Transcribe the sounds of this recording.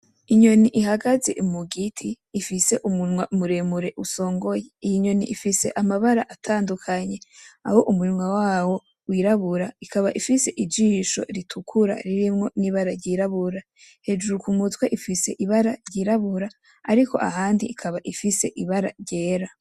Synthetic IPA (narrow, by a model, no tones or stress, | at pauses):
iɲo̞niʔiɦaɡaze̞̰ʔumuɡitʰiː | fise̞ʔumunŋwaumuɾe̞muɾe̞ʔuso̞ːŋɡo̞jeijiɲo̞niʔifise̞ʔamaβaɾa̰ʔatʰaːndukʰaɲe̞a̰hoʔumuinŋwawaːwo̞ | wiɾaβuɾaikʰaβaʔifise̞ʔid͡ʒiːʃo̞̰ɾitʰukʰuɾa̰ɾiɾimŋo̞niːβaɾaɾɟiɾaβuɾa | he̞d͡ʒuɾukumutweʔifise̞̰ʔiβaɾaɾɟiɾaβuɾaː | ɾiko̞̰ʔahaːndiʔːkʰaβaʔifise̞̰ʔiβaɾa̰ɾɟe̞ːɾa